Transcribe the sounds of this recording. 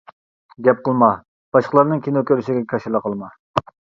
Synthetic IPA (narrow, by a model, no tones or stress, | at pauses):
ɡʲɛp̚qəlˠmɑ | b̥ɑʃqʰəlˠɑɾnɨŋkʲinokʲøɾyʃiɡʲɛkʲʰɑʃilˠəqʰəlˠmɑ